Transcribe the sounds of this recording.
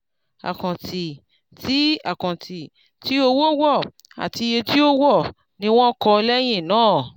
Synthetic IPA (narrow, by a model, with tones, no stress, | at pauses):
a̰˨kã˨ti˨ | ti˨˦a̰˨kã˨ti˨ | ti˨˦o˧wo˦wɔ˦˨ | a̰˨ti˧je˧ti˦o˦wɔ˦˨ | nĩ˧˦w̃ɔ̃˦kɔ˧lɛ˦j̃ĩ˦˨nãː˦˨